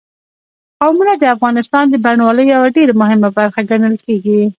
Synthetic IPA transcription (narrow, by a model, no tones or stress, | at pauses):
qawmunad̪əafɣɑnɪst̪ɑnd̪əbaɳwɑləjjawaɖeɾamʊɦɪmabaɾxaɡaɳəlkeɡi